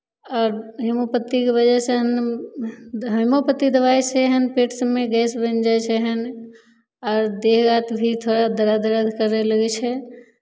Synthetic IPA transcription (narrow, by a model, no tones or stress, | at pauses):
ɔːɾɦimopət̪ːikeβəd͡ʒɛsẽɦən | ɦimopət̪ːid̪əβajseɦənpeʈʰsəmːeɡɛsbə̃nd͡ʒajt͡ʃʰɛɦən | ɔːɾd̪eɦɡat̪bʱit̪ʰoɽad̪əɾad̪əɾəd̪ʱkəɾeləɡɛt͡ʃʰɛ